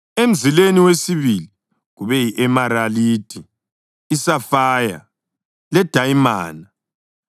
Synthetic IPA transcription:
em̩zileniwesiβili | ɣuβɛjiʔɛmaɾaliːtʰʼi | isafaːja̰ | lɛd̥ʱajima̰ːna

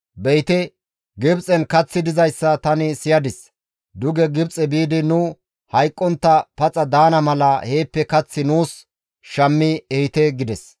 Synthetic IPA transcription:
bɛjt̪ɛ | ɡɪbt͡sʼɛnkɐt͡sːɪd̪ɪzɐjsːɐt̪ɐnɪsɪjɐd̪ɪs | d̪ʊɡɛɡɪbt͡sʼɛbiːd̪ɪnʊ | hɐjkʼːɔnt̪ːɐpɐt͡sʼɐd̪aːnɐmɐlɐhe̞ːpːɛkɐt͡sːɪnuːs | ʃɐmːɪɛhɪt̪ɛɡɪd̪ɛs

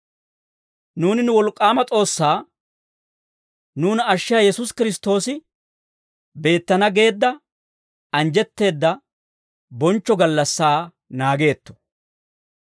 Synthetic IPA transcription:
nuːnɪnʊwɔlkʼːaːmɐt͡sʼo̞ːsːaː | nuːnɐʃːɪjaːjɛsʊskɪɾɪst̪o̞ːsɪ | be̞ːt̪ːɐnɐɡe̞ːd̪ːɐ | ɐnd͡ʒɛt̪ːe̞ːd̪ːɐ | bɔnt͡ʃːɔɡɐlːɐsːaː | naːɡe̞ːt̪ːɔ̥

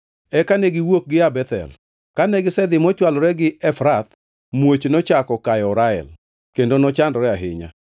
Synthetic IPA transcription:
ɛkanɛɡɪwok̚ɡɪabɛt̪ɛ̰l | kanɛɡɪsɛd̪ɪmɔt͡ʃwalɔɾɛɡɪɛfɾat̪ | mwot͡ʃnɔt͡ʃakɔkajɔɾaɛ̰l | kendonɔt͡ʃandɔɾɛaɦɪ̰ɲa̰

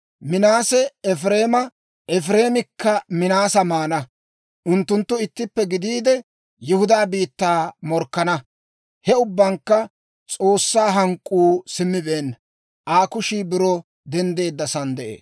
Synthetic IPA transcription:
mɪnaːsɛɛfɾe̞ːmɐ | ʔɛfɾe̞ːmɪkʰːɐmɪnaːsɐmaːnɐ | ʔʊnt̪ːʊnt̪ːʊɪt̪ːɪpːɛɡɪd̪iːd̪ɛ | jɪhʊd̪aːbiːt̪ːaːmɔɾkːɐnɐ | hɛʊbːɐŋkːɐ | t͡sʼo̞ːsːaːɦɐŋkʼːuːsɪmːɪbeːnːɐ | ʔaːkʊʃiːbɪɾɔ | d̪ɛnd̪e̞ːd̪ːɐsɐnd̪ɛʔḛːs

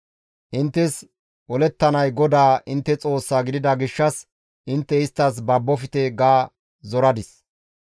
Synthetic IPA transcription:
ʔɪnt̪ːɛs | wɔlɛt̪ːɐnɐjɡɔd̪aːʔɪnt̪ːɛt͡sʼo̞ːsːaːɡɪd̪ɪd̪ɐɡɪʃːɐs | ʔɪnt̪ːɛɪst̪ːɐs̬bɐbːɔfɪt̪ɛɡaː | zɔɾɐd̪ɪs

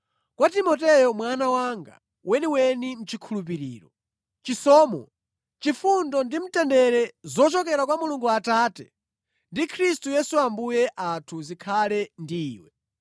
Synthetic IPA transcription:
kwatimɔtɛjɔmwanawaŋɡa̰ | wʔɛniwɛnim̩t͡ʃikʰulup̬iɾḭːɾɔ | t͡ʃisɔːmɔ̰ | t͡ʃifundɔndim̩tɛndɛɾɛzɔt͡ʃɔkɛɾakwamuluŋɡuataːtɛ | ndikʰɾistujɛsuambujɛʔatʰuzikʰalɛndḭːwɛ

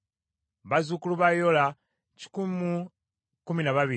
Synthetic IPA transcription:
βazukuluβajola | ci̥kumu | kuminaβaβi

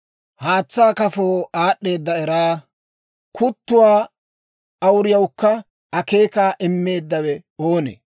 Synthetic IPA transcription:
haːt͡sːaːkɐfoːaːɗːe̞ːd̪ːɐɛɾaː | kʊt̪ːʊwaː | ɐwʊɾɪjɐwkːɐ | ɐke̞ːkaːʔɪmːe̞ːd̪ːɐwɛoːnḛ

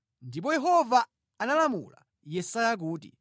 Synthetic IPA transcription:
ndip̬ɔjɛɦɔvaː | nalamṵla̰ | jɛsajak̬uːtḭ

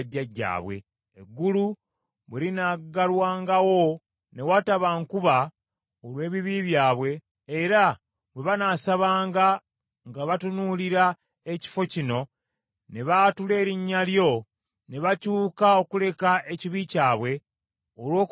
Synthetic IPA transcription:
ɟːaɟːa̰ːβwe̞̰ː | ɡːulu | βwelinaɡalwaːŋɡawo̞ | ne̞wataβaŋkuβa | olwe̞ːβiβiβjaːβwe̞ː | ɾa | βwe̞βanaːsaβaːŋɡa | ŋɡaβatunuliɾa | eci̥fo̞cino̞ | ne̞βatule̞ːɾiɲːaljo̞ | ne̞βacuːkao̞kule̞kaʔe̞ciβicaːβwe̞ | olwo̞ːk

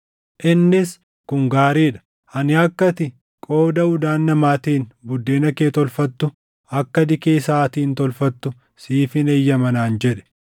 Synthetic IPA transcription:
ʔɪnːɪs | kʊŋɡaːɾiːᶑɐ̥ | ɐnɪɐkːɐt̪ɪ | kʼo̞ːd̪ɐʊd̪aːnːɐmaːt̪iːnbʊd̪ːe̞ːnɐkeːt̪ɔlfɐt̪ːʊ | ɐkːɐd̪ɪkeːsaːt̪iːnt̪ɔlfɐt̪ːʊ | siːfɪnejːɐmɐnaːnd͡ʒɛᶑɛ̥

